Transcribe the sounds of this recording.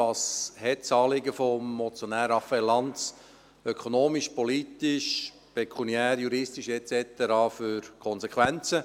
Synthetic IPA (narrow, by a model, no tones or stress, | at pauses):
ɑːshɛtt͡sɑːlɪɡəfomːɔt͡sjonæːɾəɑfɛlɑnt͡s | œkʰonoːmiʃpɔlit̪iʃ | pɛkʰuniæːɾjuɾɪstiʃɛt͡sɛt̪ɛɾɑːfyɾkʰɔnsekʰʋænt͡sə